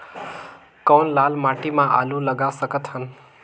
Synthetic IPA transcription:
kɔnlalmaʈimãʔa̰luləɡasəkət̪ɦən

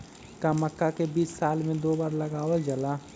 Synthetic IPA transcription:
kaməkːakebiːsːaːlmẽd̪oːbaːɾləɡaːwəld͡ʒəla

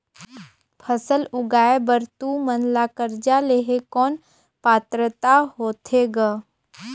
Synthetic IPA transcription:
pʰəsəlʊɡaːebəɾt̪umənlaːkəɾd͡ʒaleɦekɔːn | paːt̪ɾət̪aɦoːt̪ʰeɡa

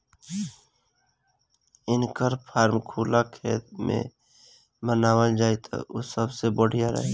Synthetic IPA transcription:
ɪnkəɾpʰaːɾmkʰuːlakʰeːt̪mḛ̃ | bənaːwəld͡ʒaːit̪ʰo̰ʔosəbsebəɽ̤ijaɾə̰ɦe

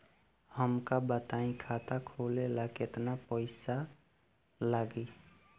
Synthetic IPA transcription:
həmkabət̪aĩkʰat̪akʰolelaket̪napəɪsa | laɡi

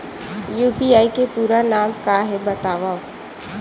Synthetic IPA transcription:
juːpiːaːikepuːɾanaːmkaːɦebət̪aːʋaːo

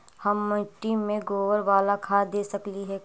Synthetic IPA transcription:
hɐmːəʈiːmːẽɡoːʋəɾʋaːlakʰaːd̪eːsɐkliɦɛ

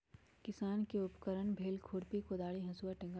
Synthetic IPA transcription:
kɪsaːnkeʊpkəɾəɳbʱeːlkʰuːɽpikoːd̪aːɭiɦɐ̃suːaʈɪ̃ŋɡ

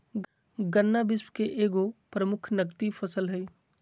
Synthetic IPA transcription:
ɡənːabɪsmkeʔeːɡopɾəmʊkʰnəkt̪ifʰəsəlɦɛ

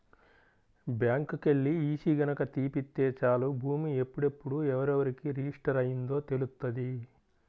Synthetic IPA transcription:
bjaːŋkkeɭːiiːsiːɡɐnɐkɐt̪iːpit̪ːeːt͡ʃaːlubʱuːmie̞pːuɽe̞pːuɽuɛʋɐɾɛʋɐɾikiɾid͡ʒiʂʈɐɾɐjind̪o̞ːt̪e̞lust̪ːɐd̪i

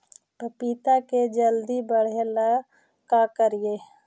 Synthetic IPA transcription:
pəpit̪aked͡ʒəld̪ibəɽ̤ela | kakəɾie

